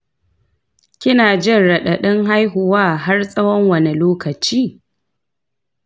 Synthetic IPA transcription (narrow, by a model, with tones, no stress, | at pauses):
kʲɪ˦naː˨d͡ʒɪ˦nɽɐ˨ɗa˨ɗɪ˦ŋɦa˦jɦʊ˨waː˦˨ha˦rsʼɐ˦wɔ˦ŋwɐ˨ne˨loː˦kɐ˨t͡ʃiː˦